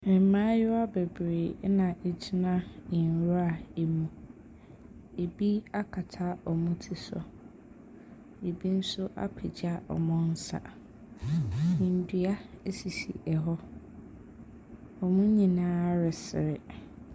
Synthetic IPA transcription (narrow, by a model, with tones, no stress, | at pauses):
ɛ˨˦mãː˦jʊ˦a˦be˨bɾeː˨˦nã˨ʔe˨d͡ʑi˦nã˦ĩ˨n˨ɾa˨e˨mũ˨ | e˨bi˦a˦kʰa˨tʰa˦ɔ˨mũ˦tʰi˦sɔ̰˨ | e˨bi˦n̩˦sʊ˦ʔa̰˦pʰe˨d͡ʑɪ˦a˨ʔɔ̰˨mʊ̃˦n̩˦sa̰˨ | n̩˨dɥa˦e˦si˨sḭ˨ʔɛ˨ɦɔ˦ | ɔ˨mũ˦ɲĩ˨nãː˦ɾɪ˨sɪ̰˨ɾɪ̰˨